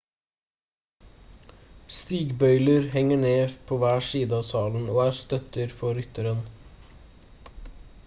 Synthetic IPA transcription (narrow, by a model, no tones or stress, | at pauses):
st̪iːɡbœʏləɾhɛŋəɳeːpʰoːʋæːʃiːd̪əɑːsɑːln̩oːæːst̪œt̪əɾfɔɾʏt̪əɾən